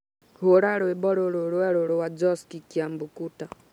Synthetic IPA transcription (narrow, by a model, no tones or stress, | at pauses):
hoɾaɾɔɛɓɔɾɔɾɔɾwɛɾɔɾɔwad͡ʒɔskikiambukuta